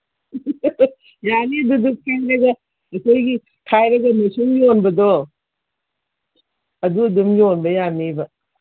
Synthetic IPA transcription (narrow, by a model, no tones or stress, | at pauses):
janiɐdudukʰajɾɐɡɐ | ɐkʰojɡi | kʰajɾɐɡɐmɐsuŋɡionbɐdo | ɐduɐdumɡionbɐjanibɐ